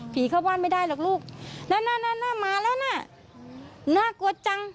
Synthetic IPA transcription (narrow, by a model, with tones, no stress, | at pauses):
pʰiː˨˦kʰa˧˩waː˧˥˨nma˧˥˩jdaː˧˥˩jlaː˨˩k̚luː˧˥˩k̚naː˧˥˨naː˧˥˨naː˧˥˨naː˧˥˩maː˧lɛː˧˥˩naː˧˥˩ | naː˧˥˨ku˧˦t̪̚t͡ɕa˧ŋ